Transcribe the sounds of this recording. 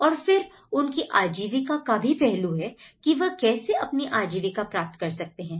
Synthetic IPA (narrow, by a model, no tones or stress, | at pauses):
ɔːɾfɪɾ | ʊnkiʔaːd͡ʒiːʋɪkakabʱipɛɦluɦɛkiʋɐɦkɛːseʔɐpniʔaːd͡ʒiːʋɪkapɾaːp̚t̪kɐɾsɐk̚t̪eɦɛ̃ː